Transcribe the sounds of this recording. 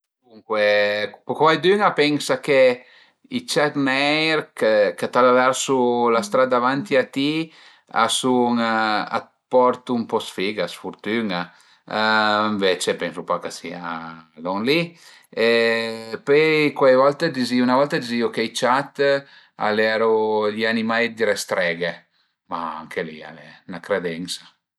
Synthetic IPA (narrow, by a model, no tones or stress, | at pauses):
d̪uŋkwepkwajd̪yŋapɛŋsake | it͡ʃat̪nɛjɾkekat̪alavɛɾsulast̪ɾad̪avant̪iat̪i | a̰suŋa̰ | pɔɾt̪uːmpɔsfiɡasfuɾt̪yŋa | iɱvet͡ʃepɛnsupakasiad̪ɔŋli | epøkwajvɔlt̪ed̪iziunavɔlt̪ad̪iziokejt͡ʃat̪ | a̰lɛɾuʎianimajd̪iɾest̪ɾɛɡe | maa̰ŋkʰelia̰lɛnakɾed̪ɛnsa